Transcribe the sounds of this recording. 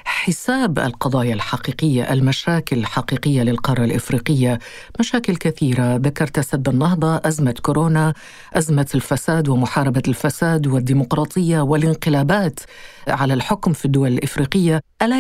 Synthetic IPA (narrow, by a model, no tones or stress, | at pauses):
ħɪsaːbʔa̰lqɑd̪ˤɑːjalħɑqiːqɪjːaʔalmaʃaːkɪlħaqiːqɪjːalɪlqɑrˤːɑlʔɪfɾiːqɪjːa | maʃaːkɪlkaθiːɾaðakɑɾˤt̪ʔasabːanːɑɦd̪ˤɑʔazmakʊɾoːna | ʔazmalfasaːd̪wɪmʊħɑːɾˤɑbalfasaːd̪wɪd̪ːiːmʊqɾˤɑːt̪ˤɨjːawɪlɪnqɪlaːbaːt̪ | ʕalalħʊkmfid̪ːʊwalɪlʔɪfɾiːqɪjːaʔala